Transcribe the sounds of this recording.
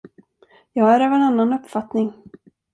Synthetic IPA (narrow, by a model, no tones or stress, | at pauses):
jɑːɡæɾøːvɛnanːanɵpːfat̪nɪŋ